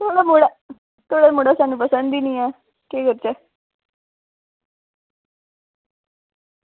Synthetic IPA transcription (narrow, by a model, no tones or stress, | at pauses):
t̪ʰoːɽamuɽa | t̪oːɽaːmuɽasaːnũːpəsə̃nd̪iːnĩːɛː | keːkəɾt͡ʃɛː